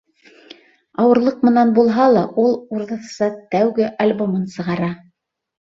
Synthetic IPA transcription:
ɑwɤ̆ɾlˠɤq̚mɤ̆nɑnbulˠɦɑlˠɑʔulˠuɾðɤ̆θsɑt̪æwɡɘʔɐlʲbomɤnsɤ̆ʁɑɾɑ

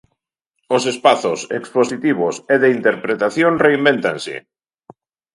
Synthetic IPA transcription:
osespaθosḛksposit̪iβ̞oseðeint̪eɾpɾet̪aθjoŋreimbẽnt̪ansɪ̰

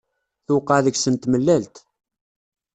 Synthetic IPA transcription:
θʊqəðəɡsənt̪məlːælt̪

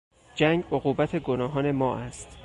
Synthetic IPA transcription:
d͡ʒæŋɡoɣuːbæt̪ʰeɡonɒːɦɒːne̞mɒːʔæst̪

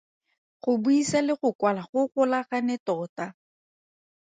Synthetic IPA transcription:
χʊbuisalɪχʊkwalaχʊɣʊlaχanɛtɔta

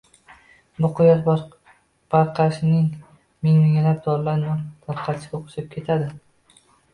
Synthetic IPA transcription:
bʊqʰʊjɒt̪ | b̥ɑɾqʰɑʃɪnɪŋ | mɪŋmɪŋʲalap̚d̪̥ɒɾlaɾmant̪ʰɑɾqʰɑt̪t͡ʃʰɪoqʰʊ̥ʃap̚kʲʰe̞t̪ʰad̪ɪ

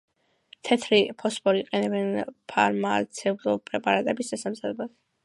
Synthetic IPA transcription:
t̪ʰɛt̪ʰɾipʰɔspʰɔɾiqʼɛnɛbɛnpʰaɾmat̪sʰɛlˠɔpʼɾɛpʼaɾat̪ʼɛbisd̪asamzad̪ɛbas

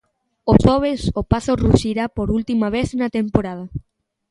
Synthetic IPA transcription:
oʃɔβ̞esopaθoruʃiɾapoɾult̪imɐβ̞eθnɐt̪empoɾað̞ɐ

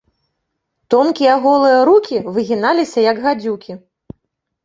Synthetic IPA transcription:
t̪ɔmkʲiaɣɔlˠɨjɐɾukʲivɨɣʲinalʲisʲɐjɐɡɣad͡zʲukʲi

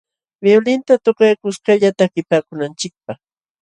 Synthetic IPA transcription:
melɪnt̪at̪oqajkʊskaʎat̪akɪpaːkʊnant͡ʃɪk̚paχ

